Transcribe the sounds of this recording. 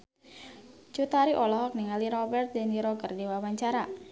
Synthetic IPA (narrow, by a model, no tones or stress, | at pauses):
t͡ʃut̪aɾiʔɔlɔɦɔk̚niŋaliɾɔbɛrt̪̚dɛniɾɔɡərdiwawaɲt͡ʃaɾa